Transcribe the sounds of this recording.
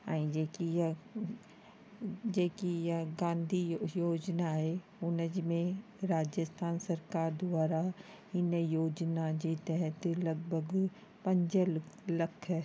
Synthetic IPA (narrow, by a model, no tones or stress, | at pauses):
aːĩd͡ʒeːkij | d͡ʒeːkijɡãːnd̪ʱijoːd͡ʒnaɦe | ʊnəd͡ʒmẽ | ɾaːd͡ʒjəst̪ʰaːnsɐɾkaːɾd̪ʊwaːɾa | ɦinəjoːd͡ʒnad͡ʒet̪ɛɦət̪lɐɡ̚bʱəɡ | pə̃ɲd͡ʒəlləkʰɦɛː